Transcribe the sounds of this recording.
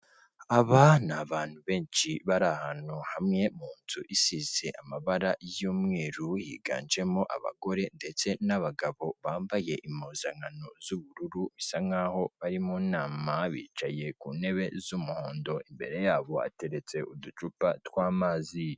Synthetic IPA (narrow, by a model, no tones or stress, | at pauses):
aβanaβaːn̥huβe̞ːnt͡ʃiβaɾahanuhamŋe̞muːntʰuʔisize̞ʔamaβaɾajuːmŋeːɾujḭɡa̰ːnd͡ʒe̞moʔa̰βa̰ɡo̞ɾe̞nde̞t͡se̞naβaɡaβo̞βaːmbaje̞ʔimozaŋanozuβuɾuɾumisaŋaho̞βaɾimuːnaːmaβḭːt͡ʃaje̞kuːne̞βe̞zumuho̞ːndo̞imbe̞̰ɾe̞jaːβo̞a̰te̞ɾe̞t͡se̞ʔudut͡ʃupatwaːmaːzi